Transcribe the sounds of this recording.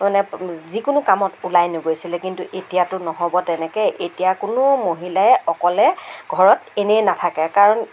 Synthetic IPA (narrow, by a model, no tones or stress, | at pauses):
manɛzikʊnʊkamɔtulajnʊɡojsilɛkintuʔetijatʊnɔɦɔbɔtɛnɛkɛʔetijakʊnʊmoɦilaɛʔɔkɔlɛɡ̥ʱɔɹɔtenɛjnatʰakɛkaɹɔn